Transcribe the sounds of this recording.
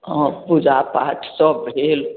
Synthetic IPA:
ɔ̃pʊd͡ʒapaʈʰsɔbʱeːl

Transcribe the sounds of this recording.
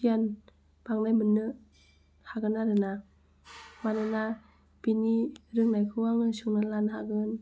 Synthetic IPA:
iən | baŋnajbɯnːɯ | haɡɯnaɾɯna | manɯna | piniɾɯŋnajkʰɯwaŋɯnsuŋnɯnlanhaɡɯn

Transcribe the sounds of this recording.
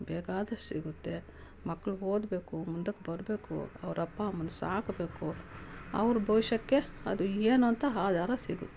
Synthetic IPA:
bɛːkaːd̪ɐʂʈsiɡut̪ːe̞ | mɐkːɐɭuɦoːd̪be̞ːkumund̪ɐkːebɐɾbe̞ːkṵɐ̰ʋɐɾɐpːaɐmːɐnusaːkbeːkuɐ̰ʋɾbʱɐʋʃɐkːe̞ɐd̪ueːnuɐnt̪ɐɦaːd̪ʱaːɾɐsiɡut̪ːee̥

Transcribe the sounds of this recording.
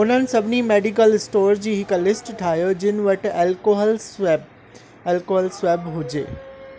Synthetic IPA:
ʊn̤ənɪ̆sɐbʱɪnimeːɖik̬əlɪsʈoːɾd͡ʑiːɦɪklɪsʈʈʰaːɦjod͡ʑɪnɪ̆ʋɐʈɛlkoɦlb | ɛːlkoːɦəlsʋeːbɦʊd͡ʑḛː

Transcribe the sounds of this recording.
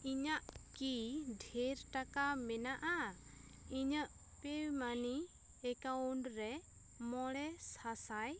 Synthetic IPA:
iɲaʔkiɖʱɛɾʈakamɛnaʔa | iɲəʔ | piwmani | ɛkaunɖɾɛ | mɔɭɛsasaj

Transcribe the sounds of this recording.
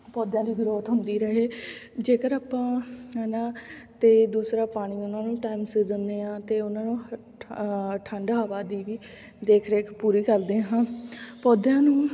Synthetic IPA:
pɔːd̪jãːd̪iːɡɾoːt̪ɦʊnd̪iːɾəɦeː | d͡ʒeːkəɾaːpãːɦnãːt̪eːd̪uːsɾaːpaːɽ̃iːʊnãːnũːʈaːimsɪd̪ənd̪eːãːt̪eːʊnãːnũː | ʈʰəɳɖaːʋaːd̪iːʋiː | d̪eːkʰɾeːkpuːɾiːkəld̪ẽːɦãːpɔːd̪jãːnũː

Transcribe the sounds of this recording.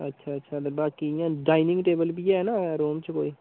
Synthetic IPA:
ə̰tːʃʰaːətːʃʰaːbaːkijãːɖaːinɪ̃ŋɡʈeːbəlbiːɛnãːɾoːmt͡ʃko̰ːiː

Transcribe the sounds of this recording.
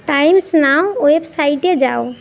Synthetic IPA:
ʈajmsnawoepsaiʈed͡ʒaw

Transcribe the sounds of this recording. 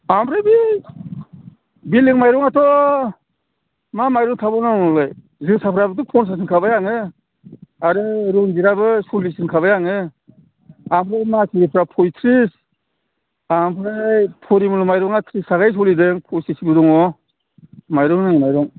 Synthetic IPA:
ambɾɯbi | biliŋmajɾɔŋatʰɔ | mamajɾɔŋtʰabɔnanɔlaj | zɯŋsapʰɾabɯdɯpʰɔns̬ʰas̬ɯnkʰabajaŋɯ | aɾɯɾuŋziɾabɯsulisɯnkʰaβajaŋɯ | amɾɯmasʰiɾipʰɾapʰɔjtʰɾis | ampʰɾajpʰɔɾimɯlɔmajɾɔŋatʰɾisaɡajs̬ɔlidɯŋpʰɔjsisibiɾɔŋɔ | majɾɔŋnaimajɾɔŋ

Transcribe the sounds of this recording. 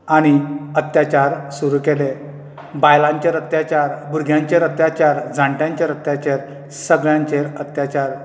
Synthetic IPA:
aɽ̃iət̪jat͡ɕaɾsuɾukele | bajlãɲt͡ɕeɾət̪jat͡ɕaɾbuɾɡʱjãɲt͡ɕeɾət̪jat͡ɕaɾd͡zʱãɳʈjãɲt͡ɕeɾət̪jat͡ɕeɾ | səɡɭjãɲt͡ɕeɾət̪jat͡ɕaɾ

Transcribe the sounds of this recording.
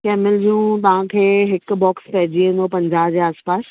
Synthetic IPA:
kɛːmɪld͡ʑũt̪ɐʋ̤ãkʰeːɦɪk̆bɔːkspɐɦɪd͡ʑiẽnd̪opɐ̃ɲd͡ʑaːbd͡ʑeːaːspaːs

